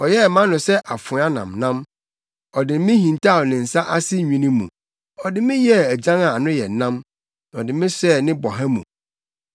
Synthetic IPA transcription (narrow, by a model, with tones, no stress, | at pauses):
ɔ˨jɛ˦˨mã˦nʊ̃˨sɛ˦ʔa˨fʊ̃˨˦a˦nã̰˨mnã˦m | ɔ˨dɪ˨˦mɪ̃˦hĩ˨n˨tʰa˦˨ɔ˨nɪ̃˨n̩˨sa˦ʔa˦sɪ˦ɲᶣĩ˨˦nĩ˦mũ˨ | ɔ˨dɪ˨mɪ̃˦jɛ˦æ˨d͡ʑã˦ŋa˨a˨nʊ̃˦jɛ˨nã˦m | ɔ˨dɪ˨mɪ̃˦sɛ˦nɪ̃˦bɔ˨ɦã˦mũ˨